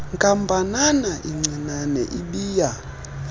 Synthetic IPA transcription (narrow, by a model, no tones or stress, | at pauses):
ŋkʼambʱananaʔiŋ͡ǀinanɛ̰ʔiɓiːja